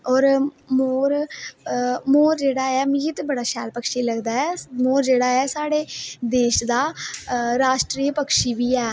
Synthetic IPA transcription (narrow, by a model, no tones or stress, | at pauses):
ɔːɾ | moːɾ | moːɾd͡ʒeːɽaːɛːmiɦɪt̪bəɽaːʃɛːlpəkʃiːləɡd̪aːɛːmoːɾd͡ʒeːɽaːɛːsaːɽeːd̪eːʃd̪aːɾaːʃʈɾiːpəkʃiːʋiːɛː